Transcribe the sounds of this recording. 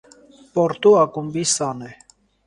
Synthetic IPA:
pɔɾt̪uɑkumbisɑnɛ

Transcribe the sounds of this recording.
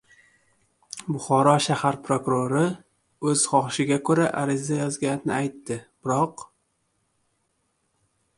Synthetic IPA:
bʊχɒɾɒʃahaɾpʰɾokʊɾoɾɪ | ɵz̥χɒχʃɪɡʲakʰɵɾaʔaɾɪzajɒzɡʲanɪnɪajt̪ːɪb̥ɪɾɒq

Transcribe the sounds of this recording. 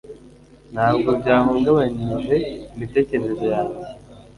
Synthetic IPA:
n̥haːbɡo̞bɟaːɦoŋɡaβaɲiʒe̞imite̞ːce̞ɾe̞zo̞jaːɲe

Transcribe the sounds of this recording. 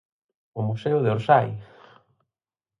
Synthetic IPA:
ʊmuseʊðeoɾsaj

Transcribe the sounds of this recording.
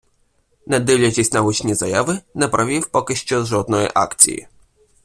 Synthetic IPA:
nɛd̪ɪwlʲɐt͡ʃisʲtʲnɐɦut͡ʃnʲizɐjaʋɪnɛpɾɐʋʲiwpɔkɪʃt͡ʃɔʒɔd̪nɔjḭʔɑ̰kt͡sʲḭjḭ

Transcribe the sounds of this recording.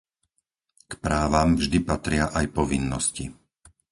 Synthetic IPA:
kpɾaːʋamvʒd̪ipat̪ɾɪaʔajpɔʋinːɔsci

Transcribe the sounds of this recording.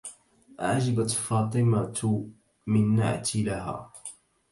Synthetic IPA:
ʔʕad͡ʒɪbat̪fɑːt̪ˤɨma | mɪnːa̰ʕat̪ilaɦa̰ː

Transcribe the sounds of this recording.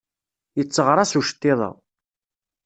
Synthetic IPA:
jət͡sːəʁɾˤasuʃt̪ːɪðˤɑ̰

